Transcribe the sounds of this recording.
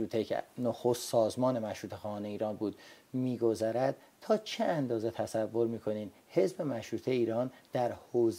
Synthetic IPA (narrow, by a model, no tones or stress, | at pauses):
uːt̪ʰeḛnoxost̪sɒːzmɒːne̞mæʃɾuːt̪exɒːhɒːne̞iːɾɒːnbuːd̪miːɡo̞zæɾæd̪̥̚ | t̪ʰɒːt͡ʃʰeænd̪ɒːze̞t̪ʰæsævːo̞ɾmiːkʰo̞niːm | he̞zbe̞mæʃɾuːt̪ʰe̞iːɾɒːnd̪̥æɾhoːz